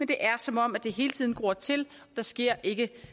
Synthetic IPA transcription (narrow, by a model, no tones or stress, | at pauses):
mend̥e̝ʔæɐsɒ̽mɒ̽m̰æd̥e̝ɦe̝ːlət͡sʰiðˠn̩ɡ̥o̝ːɐt͡sʰe̝l | ɒ̽d̥ɑ̈sɡ̥e̝ɐ̰ʔe̝ɡ̥ə